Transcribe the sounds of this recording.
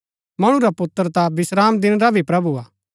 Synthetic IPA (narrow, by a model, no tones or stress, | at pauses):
mɐɽ̃ũɾapʊt̪ːəɾt̪abɪsɾaːmd̪ɪnɾabʱipɾɐbuaː